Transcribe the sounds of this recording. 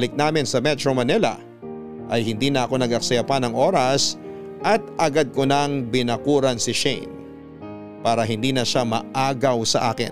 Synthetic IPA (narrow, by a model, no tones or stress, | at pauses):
lɪk̚naːmɪnsɐmɛt̪ɾomɐnɛlɐ̰ | ʔɐjhɪnd̪iːnɐʔɐko̞nɐɡɐk̚sɐjɐpanɐŋʔo̞ːɾɐs | ʔɐt̪̚ʔɐɡad̪̚konɐŋbɪnɐkuːɾɐnsɪʃɛ̰jn | paːɾɐɦɪnd̪iːnɐʃamɐ̰ʔaːɡɐwsɐʔaːkɪ̰n